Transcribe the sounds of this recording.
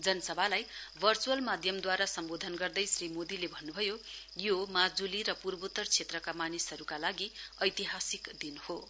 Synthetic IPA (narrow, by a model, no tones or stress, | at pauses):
d͡zʌnʌsʌbʱalajbʱʌrt͡suwʌlmad̪ʱjʌmd̪waɾasʌmbod̪ʱʌnɡʌrd̪ʌjsrimod̪ilebʱʌnːubʱʌjo | jomad͡zuliɾʌpurbut̪ːʌrt͡sʰet̪rʌkamanisʌɾukalaɡiʌjt̪iɦasikd̪inho